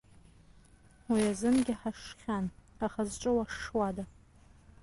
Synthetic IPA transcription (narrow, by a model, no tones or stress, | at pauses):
wiazɨnɡʲɪħaʂχʲanaχazʈ͡ʂʼɨwaʂwada